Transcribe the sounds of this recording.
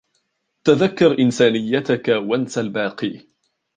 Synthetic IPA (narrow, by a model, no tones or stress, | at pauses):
t̪aðakːɑɾˤʔɪnsaːnɪjːat̪akawansalbaːqiː